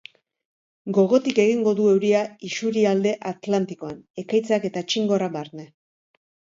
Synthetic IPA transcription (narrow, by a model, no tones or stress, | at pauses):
ɡo̞ɣo̞t̪ike̞ɣ̞iŋɡo̞ðue̞wɾiaisuɾiald̪e̞ʔat̪lant̪iko̞ane̞kajt͡sake̞t̪at͡ʃiŋɡo̞ɾaβaɾne